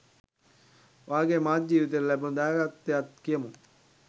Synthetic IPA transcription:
ʋaːɡeːmaːt̚d͡ʒiːʋit̪̬eɾlæbund̪aːɡat̪ːeat̪kijɐmu

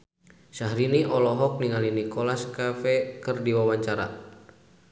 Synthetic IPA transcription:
saɦɾiniʔɔlɔɦɔk̚niŋalinikɔlaskafɛkərdiwawaɲt͡ʃaɾa̰

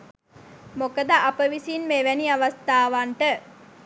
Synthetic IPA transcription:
mokəd̪aʔapəʋisinmeʋæniaʋast̪aːʋaɳʈə

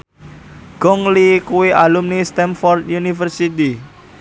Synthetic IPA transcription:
ɡ̥ɔŋlikuweʔalumnist̪ɛnfɔrt̪junifərsit̪i

